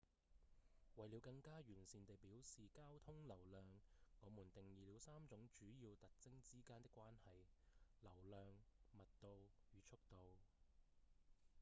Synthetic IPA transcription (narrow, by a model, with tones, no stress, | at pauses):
wɐ˨jliː˨˧wkɐ˧ŋkaː˥ɥyː˨˩nsiː˨nt̪e˨jpiː˨˥wsiː˨kaː˥wt̪ʰʊ˥ŋlɐ˨˩wlœː˨ŋŋɔː˨˧mu˨˩nt̪ɪ˨ŋjiː˨˧li˨˧˥wsaː˥mt͡ʃʊ˨˥ŋt͡ʃyː˨˥jiː˧wt̪ɐ˨k̚t͡sɪ˥ŋt͡siː˥kaː˥nt̪ɪ˥kːʷwaː˥nhɐ˨jlɐ˨˩wlœː˨ŋmɐ˨t̚t̪o˨wjyː˨˧t͡ʃʰʊ˥k̚t̪o˨w